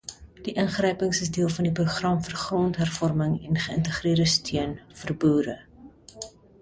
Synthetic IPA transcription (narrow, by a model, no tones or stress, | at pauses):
d̥iʔənχrɛjpəŋsəsdiəlˠfɐndipruχrɐmfərχrɔntɦærfɔrməŋɛnχəəntəχriərdəstʰiənfərbuːɾə